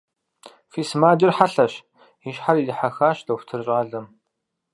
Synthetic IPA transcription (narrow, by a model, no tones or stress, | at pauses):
fiːsmaːd͡ʒɪrħaɬɐɕ | iʃħaridɨħaxaːɕdɐxʷtʰɨrɕʼaːɮɐm